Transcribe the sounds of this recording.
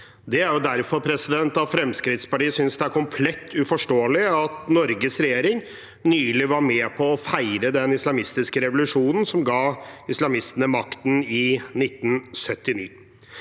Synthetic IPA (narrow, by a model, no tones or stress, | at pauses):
d̪ɛæɾjʊd̪æɾfɔɾpʰɾɛsɪd̪ɛnt̪ɑʋfɾɛmskɾɪt̪spɑʈiːəsʏnsd̪ɛæɾkʊmpʰlɛt̪ʰːʉfɔʂʈoːlɪɑt̪nɔɾɡəsɾɛjeːɾɪŋ | nyːlɪʋɑɾmɛpʰɔːfæɪɾəd̪ɛnɪslɑmɪst̪ɪskəɾɛʋʊlʉʂuːnən̩sɔmɡɑːɪslɑmɪst̪ənəmɑkt̪n̩ɪnɪt̪ːnsœt̪ːɪnḭː